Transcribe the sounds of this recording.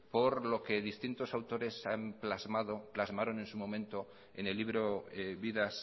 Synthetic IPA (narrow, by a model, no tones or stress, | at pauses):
po̞ɾlo̞ke̞ðist̪int̪o̞sawt̪o̞ɾe̞samplazmaðo̞plazmaɾo̞ne̞nsumo̞mẽ̞nt̪o̞ | ene̞lːiβɾoeβiðas